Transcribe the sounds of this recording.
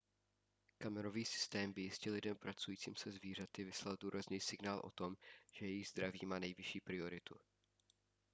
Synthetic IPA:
kamɛɾo̞viːsɪ̥st̪ɛːmbɪjɪscɛlɪdɛmpɾʔat͡sujiːt͡sḭːmsɛzviːr̝at̪ɪvɪslalduːɾʔazniːsɪɡnaːlʔo̞̰t̪o̞mʒ̥ɛjɛjɪɣzd̪ɾavḭːmaːnɛjvɪʃiːpɾɪo̞ɾɪt̪u

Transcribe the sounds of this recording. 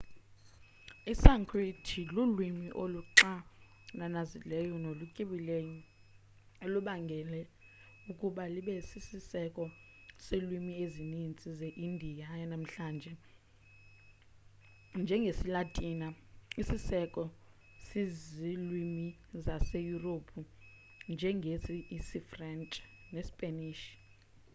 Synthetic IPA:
isaŋkʰritʰilulwimiʔoluǁa | nanazilɛjɔnolukʼiɓilejɔ | eluɓaŋɡʱɛlɛ | ukʼuɓaliɓɛsisisɛkʼɔ | selwimiezinint͡sʼizeʔindʱijajanam̩ɬaːnd͡ʒʱɛ | nd͡ʒʱɛŋɡʱesilatʼiːna | isisɛkʼɔ | sizilwimi | zasejuropʰu | nd͡ʒʱɛŋɡʱeziisifrɛnt͡ʃʼ | nesi̥pʼeniːʃi̥

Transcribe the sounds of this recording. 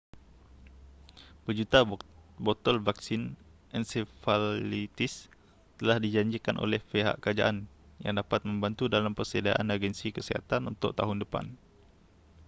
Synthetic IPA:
b̥əd͡ʒut̪abɔt̪ɔlvaksinʔɛnsefallit̪is | t̪əlahdid͡ʒaɲd͡ʒikanʔo̰lɛhpeɦa̰ʔkəɾad͡ʒa̰ʔan | ja̰ŋdapat̪̚mə̃mbant̪udalampərsedaʔanaɡɛnsikəsiɦa̰t̪anunt̪ʊ̰ʔ̚t̪aɦʊndəpa̰n

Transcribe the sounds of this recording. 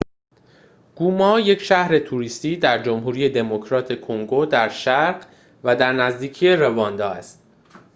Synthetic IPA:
ɡ̥uːmɒːje̞cʃæhɾe̞t̪ʰuɾiːst̪iːd̪æɾd͡ʒomɦuːɾiːje̞d̪e̞mo̞kʰɾɒːt̪ʰe̞kʰoŋɡo̞d̪æɾʃæɾɢ | væd̪æɾnæzd̪iːcʰije̞ɾe̞vɒːnd̪ɒːæst̪

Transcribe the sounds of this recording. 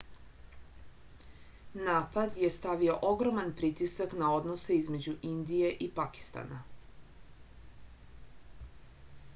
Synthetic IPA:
naːpad̪je̞st̪aʋio̞ʔoɡɾo̞manpɾit̪isaknao̞d̪nose̞izme̞d͡ʑuʔind̪ije̞ʔipaki̥st̪a̰na

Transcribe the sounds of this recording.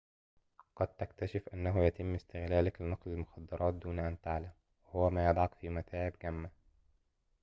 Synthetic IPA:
qɑd̪̚t̪akt̪aʃɪfʔanːaɦʊjat̪ɪmːɪst̪ɪɣlaːlaklɪnɑqlɪlmʊxɑd̪ːɑɾˤʔɑːt̪̚d̪uːnaʔant̪aʕlam | wɪhʊwæmaːjɑd̪ˤʕɑkfiːmat̪ʰaːʕɪbɡamːa

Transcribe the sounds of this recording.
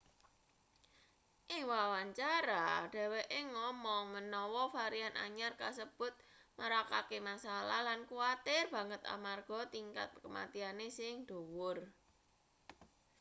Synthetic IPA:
ʔɪŋwawaɲt͡ʃaɾaɖ̥a̤weʔeŋɔmɔŋmənɔwɔfaɾianʔa̰ɲarkasəb̥ʊ̤t̪̚ | məɾakakemasalalankuat̪ɪrb̥ä̤ŋət̪a̰marɡ̥ɔ̤t̪iŋka̰t̪̚kəma̰t̪ianesɪŋd̪̥o̤wʊr

